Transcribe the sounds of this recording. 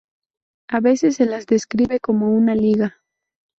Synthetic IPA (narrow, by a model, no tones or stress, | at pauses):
aβe̞sesːelazd̪e̞skɾiβe̞ko̞mo̞unaliɣa